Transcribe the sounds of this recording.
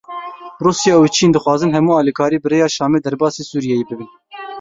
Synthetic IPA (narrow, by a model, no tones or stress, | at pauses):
ruːsjɑːut͡ʃʰiːnd̪ɨxwɑːzɨnɦɛmuːɑːliːkʰɑːɾiːbɨreːjɑːʃɑːmeːd̪ɛɾbɑːseːsuːɾijɛjebɨbin